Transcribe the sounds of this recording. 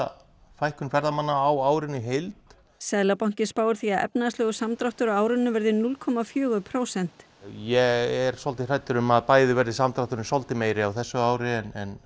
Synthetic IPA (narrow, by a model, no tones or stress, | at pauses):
fajhkʏnfɛɾðamanːaːwaːwɾɪnːɪɦejlt̪ | sɛðlapawɲ̥cɪspaːwʏɾ̥θiaðʔɛ̰pnaðslœːɣʏsamt̪ɾaht̪ʏɾawaːwɾʏnːʏvɛɾðɪnulkʰɔmafjœːɣʏpʰɾoːwsɛn̥t̪ | jɛɛɾ̥sɔlt̪ɪr̥ajt̪ʏɾʏmaðpaːjðɪvɛɾðɪsamt̪ɾaht̪ʏɾnɪsɔlt̪ɪmeːjɾɪawθɛsːʏaːwɾɪɛnɛn